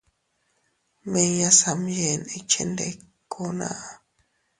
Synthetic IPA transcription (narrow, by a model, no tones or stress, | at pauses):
mejasamjenet͡ʃʰḛnd̪ḛkʰːona̰ʔa